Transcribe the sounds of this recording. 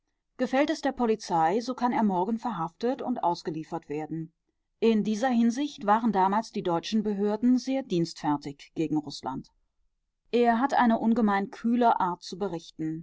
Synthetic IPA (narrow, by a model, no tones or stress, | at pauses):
ɡ̥əfɛltɛsd̥eːɐpʰɔlit͡saɪzoːkʰaneːɐmɔɐɡŋ̩fɛɐɦaftətʊ̰ntʔa̰ʊsɡ̥əliːfɐtv̥eːɐdn̩ | ʔɪndiːzɐɦɪnzɪçtv̥aːʁəndaːmaːlsd̥iːdɔʏt͡ʃn̩bəɦøːɐdn̩zeːɐdiːnstfɛɐtɪçɡ̥eːɡŋ̩ʁʊsla̰nt | ʔeːɐɦatʔa̰ɪnəʔʊnɡəmaɪnkʰyːləʔaːɐt̚t͡subəʁɪçtn̩